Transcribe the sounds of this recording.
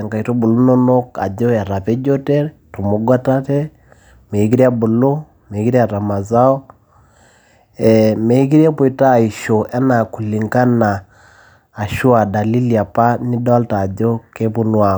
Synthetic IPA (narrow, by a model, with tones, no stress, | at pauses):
ŋka˨i˨to˦bu˨lu˦no˦no˦ka̰˨d͡ʒo˦a˨ɾa˨pe˦d͡ʒo˦te˦ɾ | to˨mo˦ɡwa˦ta˦tɛ˦ | me˨i˦ki˦ɾi˦a˦bu˨lo˦ | me˨˦ki˦ɾa˨ɾa˨ma˨za˦ɔ˦ | ɛ˨me˨i˦k̬i˦ɾi˦a˦po˨i˨ta˦˨i˨ʃo˨ʔɛ˦na˨ku˨li˨ŋka˦naː˨ | ʃu˦a˨da˨li˦li˨a˨pa˦ni˦dɔ˦lta˨d͡ʒo˦ke˦pu˦nwa˦˨